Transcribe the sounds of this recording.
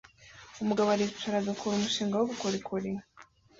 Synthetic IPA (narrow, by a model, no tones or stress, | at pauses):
umuɡaβaɾitaɾaɡakʰuɾumuʃiːŋɡawoβukoɾikʰoɾi